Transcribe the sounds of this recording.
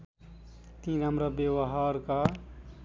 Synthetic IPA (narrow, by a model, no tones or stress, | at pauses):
t̪ĩːɾəmɾabewɦaːɾka